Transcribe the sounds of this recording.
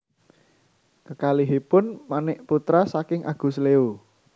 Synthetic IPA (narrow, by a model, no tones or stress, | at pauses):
kəkaliɦipʊnmanɪʔput̪ɾasakɪŋʔa̰ɡ̥ṳsleu